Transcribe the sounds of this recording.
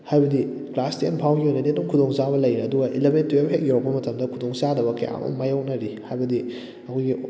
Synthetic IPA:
hajbɐdi | klastenpʰawɡiojnɐdiedumkʰudoŋzabɐlɐjɾɐɐduɡɐʔilebentːubɐɦek̚jawɾɐkpbɐmɐtɐmdɐkʰudoŋzadɐβɐkɐja̰ŋo̰majawk̚nɐɾihajbɐdi | ɐkʰojɡi

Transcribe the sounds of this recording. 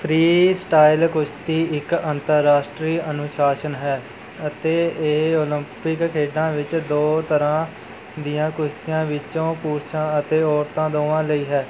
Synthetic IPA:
pʰɾiːsʈaːɪlkʊʃt̪iːɪkənt̪əɾːaːsʈɾiːənʊʃaːʃənɦɛː | ət̪eːeoːlɪmpɪkkʰeːɖãːʋɪt͡ʃd̪oːt̪əɾãː | d̪ijãːkʊʃt̪ijãːʋɪt͡ʃõːpuːɾʃãːət̪eːɔːɾt̪ãːd̪oːʋãːləiːɦɛː

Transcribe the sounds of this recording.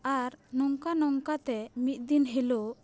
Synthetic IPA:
aɾnɔŋkanɔŋkat̪ɛmit̪̚d̪inɦelo

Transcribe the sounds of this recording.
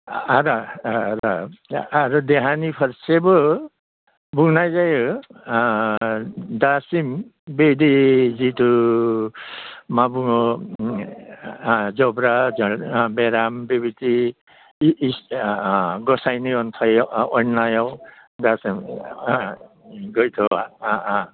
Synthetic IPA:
aɾaɾaaɾudɛɦanipʰaɾsebɯ | bunajzajɯ | dasimbedizitu | mabuŋɔ | zɔbɾazɔbɛɾambebiti | s | ɡɔsajniɔnt̪ʰɔjɔjnajɔdasim | ɡɔjt̪ʰɔa̰aa

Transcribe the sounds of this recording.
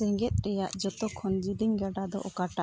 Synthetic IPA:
ɛŋɡɛt̪̚ˀɾɛjaʔd͡ʒɔt̪ɔkʰɔnd͡ʒid̪iɲɡaɖad̪ɔ̰ʔɔkaʈa

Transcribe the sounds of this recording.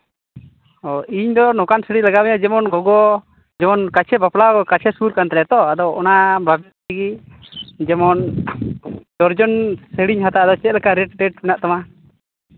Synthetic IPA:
ɔiɲd̪ɔnɔkansɛɽilaɡamɛjad͡ʒɛmɔnɡɔɡɔ | d͡ʒɛmɔnkat͡ʃʰɛbaplaɡɔkat͡ʃʰɛsuɾkant̪ɾɛt̪ɔad̪ɔʔɔnababɛ | ɛɡi | d͡ʒɛmɔn | d̪̥ɔɾd͡ʒɔnsɛɽiɲɦat̪aʔad̪ɔt͡ʃɛt̪̚lɛkaɾɛʈʈɛʈmɛnaʔt̪ama

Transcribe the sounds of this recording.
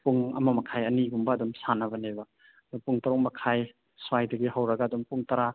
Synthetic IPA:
puŋɐ̰mɐmɐkʰajɐniɡumbɐːdumsanɐβɐnebɐ | dupuŋtɐɾuk̚mɐkʰaj | swajdɐɡiɦawɾɐɡaːdumpuŋtɐɾa

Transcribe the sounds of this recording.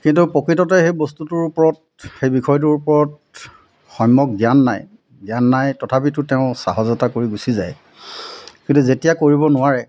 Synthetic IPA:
kintupɔkɹitɔtɛxejbostutʊɹupɔɹɔt̚ | xejbikʰɔjɔt̬ʊɹupɔɹɔt̚ | xɔjmːɔk̚ɡijanːa̰j | ɡjanːajtɔtʰapitʊteʊ̃sa̰ɦɔzɔtakoɹiɡusizaj | kintuzetijakoɹibɔnʊwaɹɛ

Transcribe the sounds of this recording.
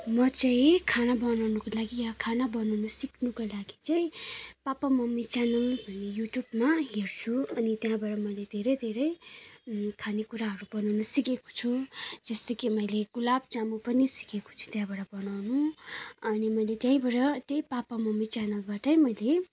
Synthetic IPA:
mʌt͡saĩkʰanabʌnawnʌkolaɡijakʰanabʌnawnusiknukolaɡit͡saĩpapamʌmːit͡ʃanʌlbʱʌnːejuʈjubmaɦert͡sʰuʌnit̪jãbaɽʌmʌjled̪ʱeɾʌjd̪ʱeɾʌj | kʰanekuɾaɦʌɾubʌnʌwnusikeko̥t͡sʰud͡zʌst̪ʌkimʌjleɡulab̚t͡samupʌnisi̥keko̥t͡sʰu̥t̪jãbaɽʌbʌnawnuʌnimʌjlet̪jãĩbʌɽʌt̪ʌĩpapamʌmːit͡ʃanʌlbaʈʌjmʌjle

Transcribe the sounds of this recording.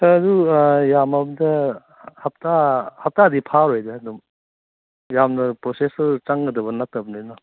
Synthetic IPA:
sɐdujamɐbɐdɐ | hɐp̚tahɐp̚taɐdipʰaɾojdɐːdɔm | jamnɐpɾosesɐɾt͡ʃaŋɡɐdɐbɐnɐk̚tɐbɐnanɔ

